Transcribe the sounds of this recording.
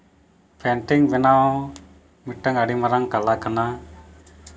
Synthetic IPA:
pɛɳʈiŋbɛnaɔ̃ | miʈːəŋaɽimaɾaŋkalakana

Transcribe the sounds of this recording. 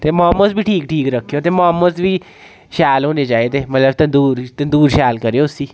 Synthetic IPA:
t̪eːmãːməsbiːʈʰiːkʈʰiːkɾəkʰːejoːt̪eːmaːməsʋiː | ʃaːlɦoːneːd͡ʒaːeːt̪eːmət̪ləbt̪ənd̪uːɾt̪ənd̪uːɾʃaːlkəɾeoːʊsiː

